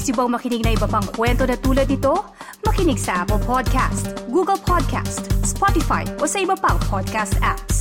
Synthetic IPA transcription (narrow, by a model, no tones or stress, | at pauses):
sɪboŋmɐkɪniɡ̚nɐʔɪbɐpɐŋkwɛnt̪o̞nɐt̪uːlɐd̪nɪt̪o̞ | mɐkɪnɪɡsɐʔapɛlpʰod̪̚ka̰st̪ɡuːɡɐlpʰod̪̚kʰa̰st̪spot̪ɪfa̰jʔo̞sɐɪbɐpɐŋpʰod̪̚kast̪ʔaps